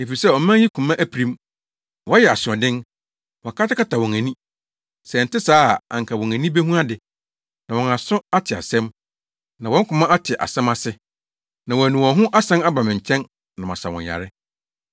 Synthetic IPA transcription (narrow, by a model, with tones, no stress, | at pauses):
e˨fi˨sɛ˦˨ɔ˨˦mã˦ji˦kʰũ˨mã˦ʔæ˦pʰɾĩ˦m | wɔ̃˦jɛ˨a˨sʊ˨ɔ̃˨dɪ̃˦n | wɔ̃˨kʰa˦tɪ˦kʰa˦tʰa˨wɔ̃˨ŋæ̃˨nĩ˦ | sɛ˨n̩˨tɪ˦saː˦˨ã̰˨ŋ˨kʰa˨wɔ̃˨ŋæ̃˨nĩ˦be˦ɦũ˦a˦dɪ˨ | nã˨wɔ̃˨nã˨sʊ̃˦a˦tʰɪ˨a̰˨sɛ̃˦m | nã˨wɔ̃˦ŋ̩˦kʰʊ̃˨mã˦ʔa˦tʰɪ˨ʔa̰˨sɛ̃˦ma˦sɪ˦ | nã˨wɔ̃˨æ˨nũ˨wɔ̃˨ɦʊ̃˦ʔa˦sɛ̃˦na˦ba˨mɪ̃˨ɲ̩˨t͡ɕʰɛ̃˦n | nã˨mã˨sa˨wɔ̰̃˨a̰˨ɾɪ˦